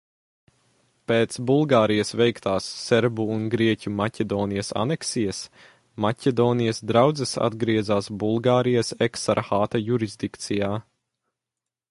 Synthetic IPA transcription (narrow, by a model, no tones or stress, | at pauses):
peːt̪sbulˠɡaːɾijɐsvɛjkt̪aːsːɛɾbuːnɡɾiɛcʲumacʲɛd̪ɔːnijɐsa̰nɛksijɐs | macʲɛd̪ɔːnijɐsd̪ɾawd̪zɛsa̰d̪ɡɾiɛzaːsbulˠɡaːɾijɐsɛksaɾxaːt̪ɐjuɾizd̪ikt̪sijaː